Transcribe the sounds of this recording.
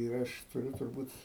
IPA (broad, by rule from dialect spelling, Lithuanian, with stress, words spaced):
ɪr ˈɐʃ tʊˈrʲʊ tʊrˈbuːt